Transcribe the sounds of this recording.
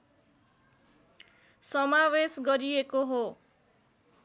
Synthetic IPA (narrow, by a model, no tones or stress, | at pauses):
sʌmawesɡʌɾijekoɦo